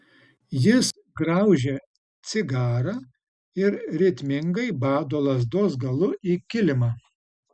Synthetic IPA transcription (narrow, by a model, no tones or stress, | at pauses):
jɪs | ɡɾɑʊʒʲe | t̪sʲɪɡɑːɾɑː | ɪɾɾʲɪt̪ʲmʲɪŋɡɐɪbɑːd̪oːlˠɐzd̪oːsɡɐlˠʊiːkʲɪlʲɪmɑː